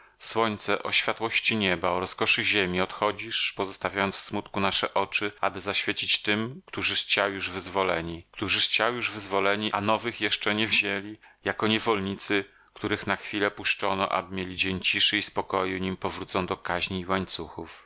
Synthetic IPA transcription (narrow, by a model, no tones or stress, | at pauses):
swɔɲʲt̪sɛʔɔɕfʲjat̪wɔɕt͡ɕiɲɛbaɔɾɔskɔʂɘʑemʲiɔt̪xɔd͡ʑiʂpɔzɔst̪avʲjajɔnsfsmut̪kunaʂɛʔɔt͡ʂɘa̰bɘzaɕfʲjet͡ɕit͡ɕt̪ɘmkt̪uʐɘxt͡ɕawjuʐvɘzvɔlɛɲikt̪uʐɘxt͡ɕawjuʐvɘzvɔlɛɲiʔanɔvɘxjɛʂt͡ʂɛɲɛvʑelʲijakɔɲɛvɔlɲit̪sɘ | kt̪uɾɘxnaxfʲilɛpuʂt͡ʂɔnɔ̰ʔa̰bɘmʲjelʲid͡ʑeɲt͡ɕiʂɘispɔkɔjuɲimpɔvɾut̪sɔ̃w̃d̪ɔkaʑɲiːwaɲt̪suxuf